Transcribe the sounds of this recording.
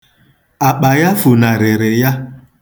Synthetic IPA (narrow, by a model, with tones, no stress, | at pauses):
a˨k͡pa˨ja˦fu˨na˨ɾe˨ɾɪ˨ja˦